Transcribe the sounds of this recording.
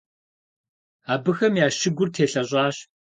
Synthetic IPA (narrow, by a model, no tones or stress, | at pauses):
aːbɨxɐmjaːʃɪɡʷʊrtʰeːɬɐɕʼɑːɕ